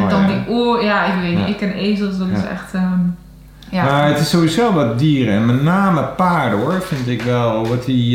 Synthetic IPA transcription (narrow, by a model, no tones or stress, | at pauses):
ɛndɔndiʔuəjaɪkʋeːtnɪkːɛneːzəsdɔtsɛ̰xtə | jamaɹətɪsːoːisoːlˠʋɔt̚diːɾəɛnmɛtnaːməpaːɹdəoɹfɪntɪkʋɛlˠʋɔti